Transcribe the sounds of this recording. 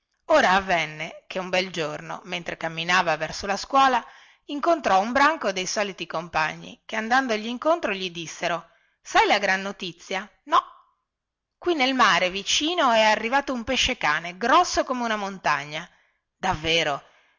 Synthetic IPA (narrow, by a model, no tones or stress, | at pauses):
oːɾaːvːɛnːekʰeumbɛld͡ʒorno̰ment̪ɾekamːinaːvavɛrsolaskwɔːla | iŋkont̪ɾɔumbɾaŋkod̪ejsɔːlit̪ikompa̰ɲːḭkeand̪and̪oʎːiːŋkont̪ɾoʎid̪isːeɾo | sajlaɡɾanːot̪it̪sːja | nɔ | kwinːelmaːɾevit͡ʃiːnoɛarːivaːt̪oumpeʃːekaːneɡɾɔsːokomeunamont̪aɲːa | d̪̥avːeːɾo